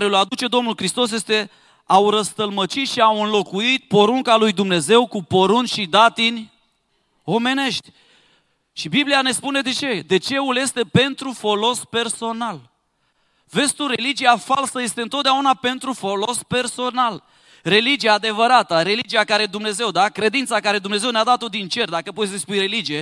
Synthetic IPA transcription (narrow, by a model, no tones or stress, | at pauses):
ɾeulad̪ut͡ʃe̞d̪o̞mnulkɾist̪o̞s̬je̞st̪e̞ | awɾəst̪əlmət͡ʃit̪ʃiawɨnlo̞kuit̪̚po̞ɾuŋkalujd̪umne̞ze̞wkupo̞ɾunt͡ʃʲʃid̪at̪inʲ | o̞me̞ne̞ʃt̪ʲ | ʃibibliane̞spune̞d̪e̞t͡ʃe̞d̪e̞t͡ʃe̞ulje̞st̪e̞pe̞nt̪ɾufo̞lo̞spe̞rso̞nal | ve̞st̪uɾe̞lid͡ʒijafalsəje̞st̪eɨnt̪ot̪d̪eaunape̞nt̪ɾufo̞lo̞spe̞rso̞nal | re̞lid͡ʒiaːd̪e̞vəɾat̪əɾe̞lid͡ʒiakaɾe̞d̪umne̞ze̞wd̪akɾe̞d̪int̪sakaɾe̞d̪umne̞zewnead̪at̪o̞d̪int͡ʃe̞rd̪akəpot̪sispujɾe̞lid͡ʒije̞